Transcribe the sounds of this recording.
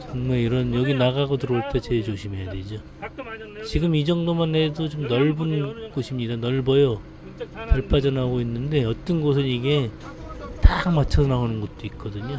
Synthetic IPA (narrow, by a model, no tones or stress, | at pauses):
t͡ɕʌŋmaeiɾʌnjʌɡinaɡaɡotɯɾʌɭt͈ʰet͡ɕet͡ɕoɕʰime̞jadwe̞d͡ʑo | t͡ɕiɡɯmid͡ʑʌŋdomane̞dot͡ɕomnʌɭbunɡ̥oɕʰimɲidanʌɭbʌjʌ | taɭpʰad͡ʑʌnɦaɡoinːɯnde̞ʌt͈ʌnɡos̬ʰɯniɡe̞ | tamat͡ɕʰʌnaonɯnɡʌt̚t͈oik̚k͈ʌdɯɲo